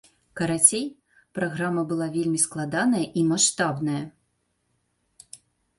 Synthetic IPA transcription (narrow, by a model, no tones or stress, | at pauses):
kɐɾat͡sʲej | pɾaɣɾamɐbɨlˠavʲelʲmʲisklˠad̪anɐjɐʔimaʂt̪abnɐjɐ